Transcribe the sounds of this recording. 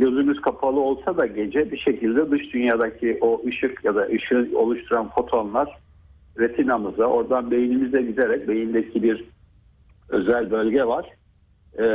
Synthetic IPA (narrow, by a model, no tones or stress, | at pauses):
ɟø̞zymyzkʰapʰalˠɯo̞lˠsad̪aɟe̞d͡ʒɛbiʃe̞cʰilʲd̪ɛd̪ɯʃd̪ynjaːd̪acʰiʔoʔɯʃɯkjad̪aʔɯʃɯo̞̰lˠuʃt̪ʰuɾanfo̞t̪ʰonlˠaɾ̥ | ɾet̪ʰinamɯzao̞ɾd̪anbe̞jinimizɛɟid̪eɾɛc̚be̞jind̪ecʰibiɾ | ø̞zælʲbø̞lʲɟɛvaɾ̥